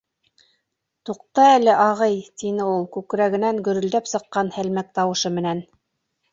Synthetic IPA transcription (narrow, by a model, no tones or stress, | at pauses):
t̪uq̚t̪ɑælɘʔɑʁɤjt̪inɘulˠkʉkɾæɣɘ̆næŋɡɵ̆ɾɵ̆ld̪æpsɤ̆qːɑnhælmæk̚t̪ɑwɤ̆ʃɤmɘ̆næn